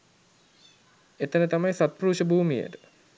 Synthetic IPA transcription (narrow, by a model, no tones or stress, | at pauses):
et̪ənət̪amajsat̪̚pruːʃəbuːmijə̰tə̥